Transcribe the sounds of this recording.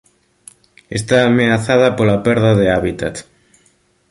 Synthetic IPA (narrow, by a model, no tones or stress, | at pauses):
est̪aːmeaθaðɐpolapɛɾðaðeaβit̪at̪